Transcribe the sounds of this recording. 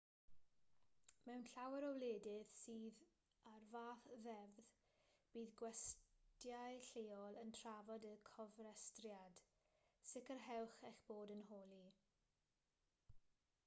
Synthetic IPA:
mɛwnɬawɛɾɔwleːdɪð̥siːð | arvaːθðɛvð | b̥iːðɡwɛstjajɬeːɔlˠəntʰravɔdəkʰɔvrɛstrjad̥ | sɪkərɦɛwχɛɬb̥oːdənɦoːlˠi

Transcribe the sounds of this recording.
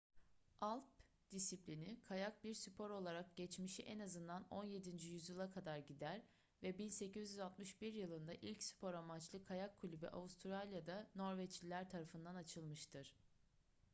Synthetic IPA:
ʔalˠp | d̪̥isiplʲinikʰajak̚biɾsypʰo̞ɾo̞lˠaɾak̚ɟɛt͡ʃmiʃiʔɛnazɯnd̪ano̞nje̞d̪ind͡ʒijyzjilˠakʰad̪aɾɟid̪æɾ | vɛbinse̞cizʲjyzat̪mɯʃbiɾjɯlˠɯnd̪aʔilʲcsy̥pʰo̞ɾamat͡ʃlˠɯkʰajakʰːulʲybḭʔa̰vust̪ʰɾalʲjad̪ano̞ɾvɛt͡ʃilʲæɾt̪ʰaɾafɯnd̪anat͡ʃʰɯlˠmɯʃt̪ʰɯɾ̥

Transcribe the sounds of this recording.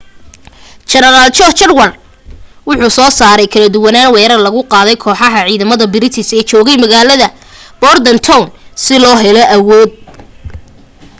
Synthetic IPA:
t͡ʃɛnɛɾalt͡ʃɔt͡ʃɐrwɐr | wʊħuːsɔːsaːɾɛjkʰɐlɐd̪ʊwɐnaːnwɛːɾɐrlɐɣʊqɑːðɛjkʰɔːħɑɦɐʕiːðɐmɐðɐbɪɾɪt̪ʰɪsɛːt͡ʃɔːɣɛjmɐɣaːlɐðɐ | b̥ɔrd̪ɐnt̪ʰɔwnsɪlɔːɦɛlɔʔɐwɔːd̪̚

